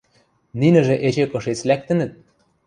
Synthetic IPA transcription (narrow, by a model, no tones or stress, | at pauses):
ninɘ̆ʒĕʔet͡ɕĕkɤ̆ʃet͡slæk̚t̪ɘ̆nɘ̆t̪̚